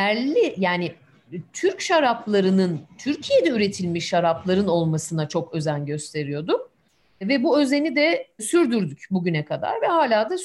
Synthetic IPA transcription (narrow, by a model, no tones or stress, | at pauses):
æɾlʲijaːnɪ | t̪ʰyɾcʃaɾaplˠaɾɯnɯnt̪ʰyɾcʰije̞d̪ɛyɾe̞t̪ʰilʲmiʃːaɾaplˠaɾɯno̞lˠmasɯnat͡ʃʰo̞kø̞zænɟø̞st̪ʰe̞ɾijo̞d̪ʊk | vɛbuø̞ze̞nid̪ɛsyɾd̪yɾd̪ycbuɟynɛkʰad̪a̰ɾvɛhaːlʲaːd̪as